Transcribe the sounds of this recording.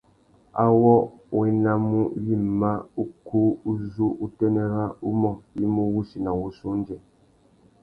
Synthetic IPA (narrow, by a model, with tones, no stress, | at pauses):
a̰˦wɔ˦ | wɛ˨na˦mu˦ji˦m˨ma˦u˦ku˦u˦zu˦ʔu˦tɛ˦nɛ˦ɾa˦u˦mɔ˦˨ji˦mu˦wu˦si˨na˨wu˦su˦n˦d͡ʒɛ˨